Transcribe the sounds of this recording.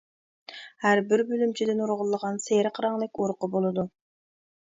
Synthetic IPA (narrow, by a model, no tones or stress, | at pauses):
hæɾbɪɾbølymt͡ʃʰid̪ɪnuɾʁʊlˠːəʁɑnseɾɪqʰəɾɑŋlˠɪkʲoɾqəbolˠɨd̪u